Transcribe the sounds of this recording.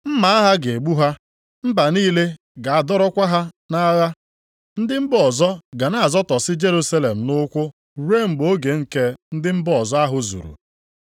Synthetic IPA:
m̩˦ma˨a˦ɦa˦ɡe˨ɡ͡bu˦ɦa˦ | m̩˦ba˨niː˦le˦ | ɡa˨a˨dɔ˦ɾɔ˦kʷa˦ɦa˦ | na˦ɣa˦ | n̩˦dɪ˦m̩˦bɔ˨zɔ˦ɡa˨na˨a˨zɔ˦tɔ˨sɪ˦d͡ʒe˦ɾu˦sa˦le˨m̩˨nʊ˦kʷʊ˦˨ | ɾe˦˨ŋ͡m̩˨ɡ͡bo˦ɡe˨ŋ̩˦ke˦n̩˦dɪ˦m̩˦bɔ˨zɔ˦a˦ɦʊ˨zṵ˨ɾṵ˨

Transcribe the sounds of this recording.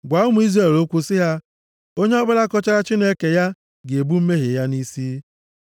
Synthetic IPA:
ɡʷa˨ʊ˦mʊ˨˦i˦zre˦˨lo˦kʷu˦sɪ˦ɦa˦ | o˦ɲe˦ɔ˦bʊ˦la˦kɔ˦t͡ʃa˦ɾa˦t͡ʃi˦ne˦ke˨ja˦ | ɡe˨bu˦m̩˦me˦ɦe˨ja˦ni˦si˦

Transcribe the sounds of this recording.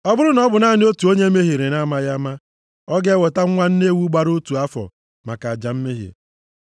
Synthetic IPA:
ɔ˦bʊ˦ɾʊ˦nɔ˦bʊ˨na˦˨nɪ˦o˦tu˨o˦ɲe˦me˦ɦe˨ɾe˨na˦ma˦ja˦ma˦ | ɔ˦ɡe˦wɔ˨ta˦ŋ̩˦ŋʷa˦n̩˦ne˦wu˦ɡ͡ba˦ɾo˦tu˨a˦fɔ̰˨ | ma˨ka˨a˨d͡ʒa˨m̩˦me˦ɦḛ˨

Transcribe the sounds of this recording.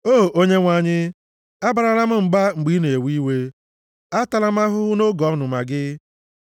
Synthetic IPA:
o˦˨ʔo˦ɲe˦ŋʷa˨ɲɪ˦ | a˦ba˨ɾa˨ɾa˦m̩˦ŋ͡m̩˨ɡ͡ba˦ŋ͡m̩˨ɡ͡bi˦ne˨e˨wi˦we˦ | a˦ta˨la˦m̩˦a˦ɦʊ˦ʊ˦no˦ɡɔ˨˦nʊ˨ma˨ɡɪ˦

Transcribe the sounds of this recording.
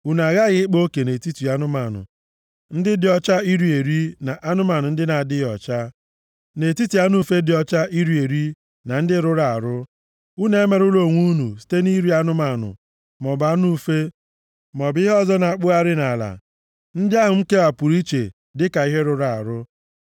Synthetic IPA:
u˨na˨ɣa˦ɣɪ˦ɪ˦k͡po˦ke˨ne˨ti˦tu˨a˦nʊ˦ma˨nʊ̰˨ | n̩˦dɪ˦dɪ˨ɔ˦t͡ʃa˦i˦ɾi˦e˨ɾi˦na˨ʔa˦nʊ˦ma˨nʊ˨n̩˦dɪ˦na˨dɪ˦jɔ̰˨t͡ʃa˦ | ne˨ti˦tu˨ja˦nu˦fe˦dɪ˨ɔ˦t͡ʃa˦ʔi˦ɾi˦e˨ɾi˦ | na˨n̩˦dɪ˦ɾʊ˦ɾa˨a̰˨ɾʊ˦ | u˦ne˨˦me˨ɾʊ˦lo˨ŋʷu˦nu˨si̥˦te˦ni˦ɾi˦a˦nʊ˦ma˨nʊ̰˨ | mɔ˨ba˨˦nu˦fe˦ | mɔ˨bɪ˦ɦɔ˦zɔ˦na˨a˨k͡pʊ˦a˦ɾɪ˦na˨la̰˨ | n̩˦dɪ˦a˦ɦʊ˨ŋ͡m̩˦ke˦a˨pʊ˨ɾi˦t͡ʃe˨ | dɪ˦ka˨i˦ɦe˦ɾʊ˦ɾa˨a̰˨ɾʊ˦

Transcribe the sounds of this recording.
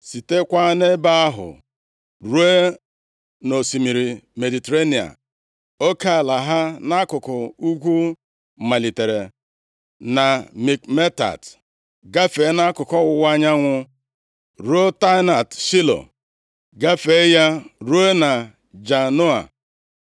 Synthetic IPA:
si˨te˦kʷa˦ne˦ba˦a˦ɦʊ̰˨ | ɾu˦e˦ | no˨si˨mi˨ɾi˨me˨di˨te˨ɾa˦ni˨a̰˨ | o˦ka˦˨la˨ɦa˦na˦kʊ˨kʊ˨u˦ɡʷu˦˨ | ma˨li˨te˨ɾe˨ | na˨mi˨kme˦ta̰˨t | ɡa˦fe˨˦na˦kʊ˨kɔ˦wʊ˨wʷa˦ɲa˦ŋʷʊ˦ | ɾo˦ta˦na˨tʃi˦lo̰˨ | ɡa˦fe˨˦ja˦ɾu˦e˦na˨ | d͡ʒa˨no˦a̰˨

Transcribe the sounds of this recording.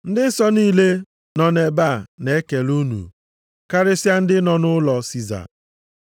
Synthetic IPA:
n̩˦dɪ˦n̩˦sɔ˦niː˦le˦ | nɔ˨ne˨ba˦˨ne˨˦ke˨lu˦nṵ˨ | ka˦ɾɪ˦sja˦n̩˦dɪ˦nɔ˨nʊ˦lɔ˨si˦za̰˨

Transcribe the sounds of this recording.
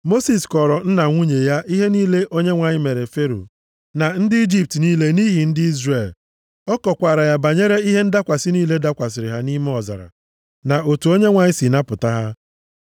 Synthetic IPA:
mo˦si˨skɔ˨ɾɔ˨n̩˦na˨ŋʷu˦ɲe˨ja˦ʔi˦ɦe˦niː˦le˦ʔo˦ɲe˦ŋʷa˨ɲɪ˦me˨ɾe˨fe˦ɾo̰˨ | na˨n̩˦dɪ˦i˦d͡ʒi˦p̚tniː˦le˦ni˦ɦi˨n̩˦dɪ˦i˦zre˨l | ɔ˦kɔ˨kʷa˨ɾa˨ja˦ba˨ɲe˦ɾe˦i˦ɦe˦n̩˦da˦kʷa˨sɪ˦niː˦le˦da˦kʷa˨s̬ɪ˨ɾɪ˨ɦa˦ni˦m˦ɔ˨za̰˨ɾa̰˨ | na˨ʔo˨tu˨o˦ɲe˦ŋʷa˨ɲɪ˦si˨na˦pʊ˨ta˦ɦa˦

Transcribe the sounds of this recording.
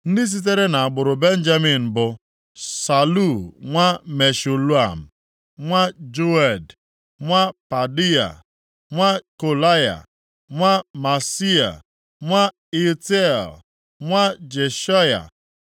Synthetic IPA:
n̩˦dɪ˦s̬i˦t̬e˦ɾe˦na˨a˨ɡ͡bʊ˨ɾʊ˨be˦n̩˦d͡ʒa˦mi˨n̩˨bʊ˨ | sa˨lu˦˨ŋʷa˦me˨ʃu˨lu˦a˨m̩˨ | ŋʷa˦d͡ʒu˦ɛ˨d | ŋʷa˦pa˨di˦a̰˨ | ŋʷa˦ko˨la˦ja̰˨ | ŋʷa˦ma˨si˦a̰˨ | ŋʷa˦ | i˦te˦˨l | ŋʷa˦d͡ʒe˨ʃa˦ja̰˨

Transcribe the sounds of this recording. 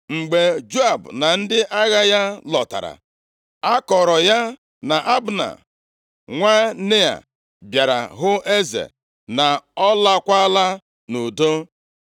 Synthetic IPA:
ŋ͡m̩˨ɡ͡be˨d͡ʒu˦a˨bʊ˨na˨n̩˦dɪ˦ʔa˦ɣa˦ja˦lɔ˨ta̰˨ɾa̰˨ | a˦kɔ˨ɾɔ˨ja˦ | na˨ʔa˦bʊ˨na̰˨ | ŋʷa˦ne˦a̰˨ | bja˨ɾa̰˨ɦʊ˦ʔe˦zḛ˨ | na˨ɔ˦la˦kʷa˦la˦ | nu˨do˦

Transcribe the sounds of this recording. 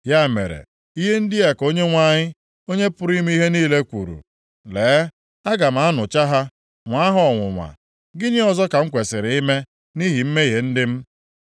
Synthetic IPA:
ja˦˨mḛ˨ɾḛ˨ | i˦ɦe˦n̩˦dɪ˦e˨ko˦ɲe˦ŋʷa˦˨ɲɪ˦ | o˦ɲe˦pʊ˦ɾi˦m˦i˦ɦe˦niː˦le˦kʷṵ˨ɾṵ˨ | leː˨˦ | a˦ɡa˨m̩˦a˦nʊ˨t͡ʃa˦ɦa˦ | ŋʷa˦ɦɔ˦ɔ˨ŋʷʊ˨ŋʷa̰˨ | ɡɪ˦ɲi˦ɔ˨zɔ˦ka˨ŋ̩˦kʷe˨sɪ˨ɾɪ˨i˦me˦ | ni˦ɦi˨m̩˦me˦i˦ɦe˨n̩˦dɪ˦m̩˦

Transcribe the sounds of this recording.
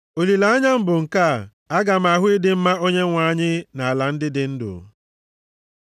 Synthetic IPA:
o˨li˨la˨a˦ɲa˦m̩˦bʊ˨ŋ̩˨ka˦˨ | a˦ɡa˨m̩˦a˨ɦʊ˦i˦dɪ˦m̩˦ma˦o˦ɲe˦ŋʷa˨˦ɲɪ˦na˨a˨la˨n̩˦dɪ˦dɪ˨˦n̩˦dʊ̰˨

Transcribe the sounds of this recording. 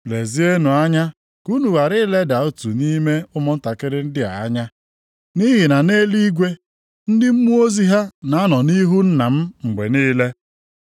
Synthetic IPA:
le˨zi˦e˦nu˨a˦ɲa˦ | ku˦nu˨ɣa˨ɾɪ˦le˦da˨o˦tu˨ni˦me˦ʊ˦mʊ˦n̩˦ta˨kɪ˦ɾɪ˦n̩˦dɪ˦a̰˨a˦ɲa˦ | ni˦ɦi˨na˨ne˦li˦ɡʷe˦ | n̩˦dɪ˦m̩˦mu˦o˦zi˦ɦa˦na˨a˦nɔ˨ni˦ɦu˦n̩˦na˨m̩˦ŋ͡m̩˨ɡ͡bḛ˨niː˦le˦

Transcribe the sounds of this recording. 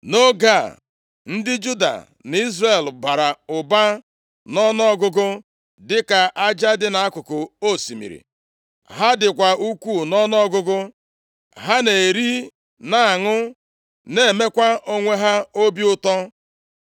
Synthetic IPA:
no˦ɡa˦˨ | n̩˦dɪ˦d͡ʒu˦da̰˨ | n˨i˦zre˦˨lba˨ɾa˨ʊ˨ba˦ | nɔ˦nɔ˦˨ɡʊ˦ɡʊ˦ | dɪ˦ka˨ʔa˦d͡ʒa˦dɪ˦na˨a˦kʷʊ˨kʊ˨o˦˨si˨mḭ˨ɾḭ˨ | ɦa˦dɪ˨kʷa˨u˦kʷu˦˨nɔ˦nɔ˦ɡʊ˦ɡʊ˦ | ɦa˦ne˨e˨ɾi˦ | na˨a˨ŋʊ˦ | ne˦˨e˨me˦kʷa˦ʔo˦ŋʷe˦ɦa˦o˦bi˦ʊ˦tɔ˦

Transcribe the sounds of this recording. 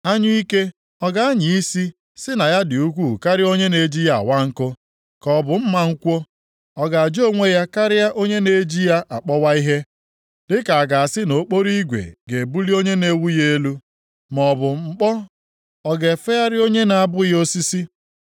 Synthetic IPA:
a˦ɲʊ˦i˦ke˦ | ɔ˨ɡa˦ɲi˨i˦si˦ | sɪ˦na˨ja˦dɪ˨u˦kʷu˦˨ka˦ɾɪ˦o˦ɲe˦ne˨d͡ʒi˦ja˦a̰˨wa˦ŋ̩˦kʊ˦ | kɔ˨bʊ˨m̩˦ma˦ŋ̩˦kʷo˦ | ɔ˦ɡa˨a˨d͡ʒo˦˨ŋʷe˦ja˦ka˦ɾɪ˦ja˦ʔo˦ɲe˦ne˨˦d͡ʒi˦ja˦ʔa˨k͡pɔ˦wa˦i˦ɦe˦ | dɪ˦ka˨a˨ɡa˨a˨sɪ˦no˨˦k͡po˦ɾi˦ɡʷḛ˨ɡe˨bu˦li˦o˦ɲe˦ne˦wu˦je˦e˦lu˦ | mɔ˨bʊ˨ŋ͡mŋ͡m̩˨k͡pɔ˦ | ɔ˨ɡe˨fe˦ja˦ɾɪ˦o˦ɲe˦na˨a˨bʊ˦jo˦si˦si˦

